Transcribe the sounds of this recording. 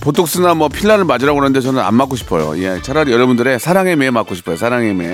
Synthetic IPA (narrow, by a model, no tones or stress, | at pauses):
potʰok̚s͈ɯnamwʌpʰiɭːaɾɯɭmad͡ʑiɾaɡoanɯnde̞t͡ɕʌnɯna̰nmak͈oɕʰi̥pʰʌjo̰iet͡ɕʰaɾaɾjʌɾʌbundɯɾe̞sʰaɾaŋe̞memak͈oɕʰipʰʌjosʰaɾaŋemḛ